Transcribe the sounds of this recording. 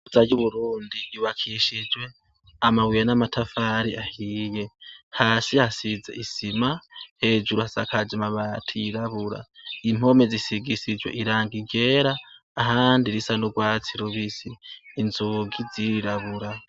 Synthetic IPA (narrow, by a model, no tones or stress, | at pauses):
uzajuβuɾuːndiiwakʰiʃid͡ʒwe̞ | amawijanamatʰafaːɾiʔahiːje̞haːsihasizeisimahe̞ːd͡ʒuɾuhasakʰad͡ʒamaβatʰiiɾaβuɾa̰im̥o̞mezisiɡisid͡ʒweʔiɾaːŋɡiɟe̞ːɾaː | ɦaːndiɾisanuɡwaːt͡siɾuβisiːnzuɡiziɾiɾaβuɾa